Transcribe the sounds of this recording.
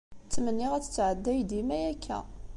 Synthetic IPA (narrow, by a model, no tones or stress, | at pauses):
t͡sːmənːiʁæt͡sːə̥t͡sːʕəd̪ːæjd̪imæjækːæ̰